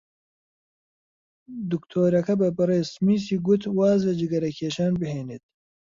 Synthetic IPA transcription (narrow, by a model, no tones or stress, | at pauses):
d̪ukt̪ʰoːɾɐkɐbɐbɐɾeːsmiːsiɡut̪waːzɐd͡ʒiɡɐɾɐkʰeːʃaːnbiheːnit̪̚